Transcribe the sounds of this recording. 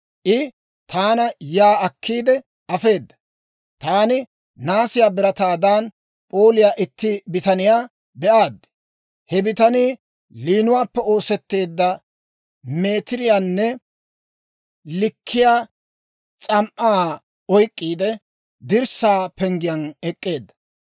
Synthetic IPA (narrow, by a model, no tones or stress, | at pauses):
ʔɪ | t̪ʰaːnɐjaːɐkʰːiːd̪ɛ | ɐfe̞ːd̪ːɐ̥ | t̪aːnɪ | naːsɪjaːbɪɾɐt̪aːd̪aːn | pʼo̞ːlɪjaːʔɪt̪ːɪbɪt̪ɐnɪjaː | bɛʔaːd̪ːɛ̥ | hɛbɪt̪ɐniː | liːnʊwaːpːɛo̞ːsɛt̪ːe̞ːd̪ːɐ | meːt̪ɪɾɪjaːnːɛ | lɪkʰːɪjaː | t͡sʼɐmʔaː | ɔjkʼːiːd̪ɛ | d̪ɪɾsaːpɛŋɡɪjɐnɛkʼːe̞ːd̪ːɐ̥